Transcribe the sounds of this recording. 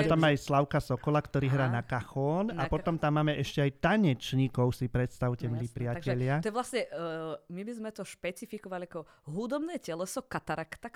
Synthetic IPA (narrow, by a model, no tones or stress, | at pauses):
ɛt̪amːajslaʊkasɔkɔlakt̪ɔɾiːɦɾaːnakaxɔːnapɔt̪ɔmt̪amːaːmɛʔɛʃcɛajt̪aɲɛt͡ʃɲikɔʊsipɾɛt̪st̪aʊcɛmliːpɾɪacɛʎɪaɔɛʋlasɲɛmibizmɛt̪ɔʃpɛt͡sifikɔʋalʲiakɔ | ɦud̪ɔbnɛːcɛlɛsɔkat̪aɾakt̪ak